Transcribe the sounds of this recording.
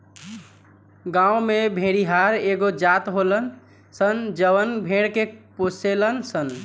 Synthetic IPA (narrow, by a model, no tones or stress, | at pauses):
ɡãumebʱẽɽiɦaɾeɡod͡ʒat̪ɦolən | sənd͡ʒəʋənbʱẽɽkeposelənsən